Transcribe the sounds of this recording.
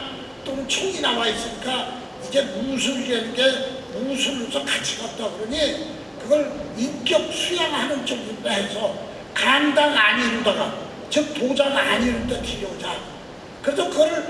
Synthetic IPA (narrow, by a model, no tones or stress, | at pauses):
t͈ont͡ɕʰoŋinawais͈ɯɲik͈a | id͡ʑe̞mus̬ʰuɾiɾenɯnɡe | musʰuɾːosʰʌkat͡ɕʰiɡat̚t͈aɡɯɾʌɲi | kɯɡʌɭmink͈jʌk̚sʰujaŋhanɯnt͡ɕʌk̚munt͈aɦe̞sʰʌ | kaŋdaŋaɲiɾodaɡa | t͡ɕɯk̚tod͡ʑaŋaɲiɾot͈epʰiɾjod͡ʑa | kɯɾe̞sʰʌkɯɡʌɾɯɭ